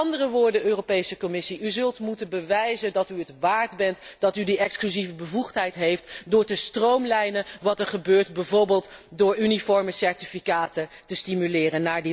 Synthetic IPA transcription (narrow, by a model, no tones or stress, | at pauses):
ɑndərəʋʊːɹdənʔøːrowpejsəkɔmɪsiʔyzɵlˠtmutənbəʋɛjzəndɑtyətʋaːɹdbɛntd̥ɑtydiʔɛksklyzivəbəvuχtɦɛjtɦejftdʊːɹtəstrowmlɛjnəʋɑtɛɹχəbøːɹtbɛvoɹbɪːlˠtdʊːɹʔynifɔɹməsɛɹtifikaːtətəstimylɪːrənːaːɹdi